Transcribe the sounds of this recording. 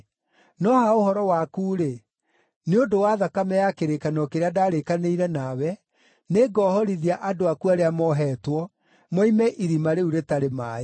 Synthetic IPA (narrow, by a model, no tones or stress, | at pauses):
nɔhaoɦɔɾɔwakuːɾe | neondowaðakamɛjakeɾekanɔkeɾeadaːɾekaneiɾɛnawɛ | neɡɔhɔɾiðiaʔadoakuaɾeamɔɦɛːtwɔ | mɔimɛʔiɾimaɾeuɾetaɾemaːe